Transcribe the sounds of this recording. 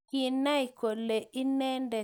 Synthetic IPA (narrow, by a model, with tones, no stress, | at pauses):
i˨na˦i˨ko˨le˨i˦nɛ˦ndɛ˨